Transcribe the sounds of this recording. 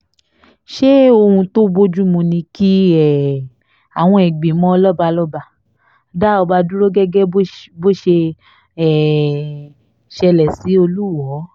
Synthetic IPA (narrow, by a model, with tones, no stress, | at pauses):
ʃe˦o˧hũ˧to˦bo˦d͡ʒu˦mũ˧nĩ˧ki˦ɛ˨ | a˨w̃ɔ̃˧ɛ˨ɡ͡be˨˦mɔ̃˦˧lɔ˦ba˧lɔ˦ba˧˨ | da˦ɔ˧ba˧du˦ɾo˦ɡɛ˦ɡɛ˦bo˦ʃe˧ | ɛ˦˨ | ʃɛ˧lɛ˨si˨˦o˧lu˦˨wɔ˨˦